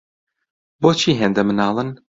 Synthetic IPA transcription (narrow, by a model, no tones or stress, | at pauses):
boːt͡ʃʰiːɦeːnd̪ɐmɨnɑːlˠɨn